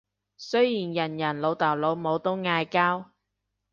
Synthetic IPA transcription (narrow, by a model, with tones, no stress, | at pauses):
sɵ˥jjiː˨˩njɐ˨˩njɐ˨˩nlo˨˧wt̪ɐ˨˩wlo˨˧wmo˨˧wt̪o˥wŋaː˧jkaː˥w